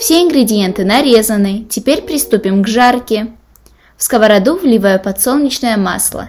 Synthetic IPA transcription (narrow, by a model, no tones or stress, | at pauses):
fsʲeɪnɡɾʲɪdʲɪjent̪ɨnɐɾʲe̞zənɨtʲɪpʲeɾʲpɾʲɪst̪upʲɪmɡʐarkʲɪ | fskəvɐɾɐd̪uvlʲɪvajʊpɐt̪solˠnʲɪt͡ɕnəjəma̰slˠə̰